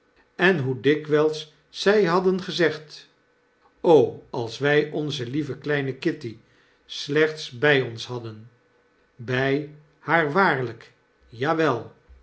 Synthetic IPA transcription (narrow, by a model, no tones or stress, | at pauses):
ɛnɦudɪkʋɛlˠsː | ɛjɦɑdənχəzɛχt | owɑlˠsʋɛjʔɔnzəlivəklɛjnəkɪti | slɛχtsbɛjɔnsɦɑdən | bɛj | haːɹʋaːɹlək | jaːʋɛlˠ